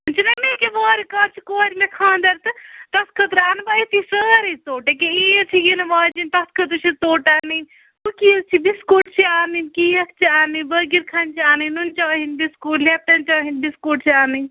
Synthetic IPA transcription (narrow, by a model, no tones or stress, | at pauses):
ɨnt͡ʃinɐmekeboːɾikɐːɾt͡ʃʰi̥koːɾʲimekʰãːnd̪ɐɾt̪ɨt̪ɐskʰɐt̪ɾaːnbɐit̪isəːɾɐt̪oːʈekeijɐt͡ʃʰijinɨmaːd͡ʒint̪ɐskʰɐt̪ɨt͡ʃʰit̪oːʈaːnɨnʲ | ukit͡ʃʰibiskuːʈ̚t͡ʃʰiaːnɨnkijɐkʰt͡ʃʰiaːnɨbɐɡiɾkʰɐnt͡ʃiaːnɨnunt͡ʃɐːɦinbiskuːʈlep̚ʈ̪ɐnt͡ʃɐːɦinbiskuːʈ̚t͡ʃʰiaːnɨ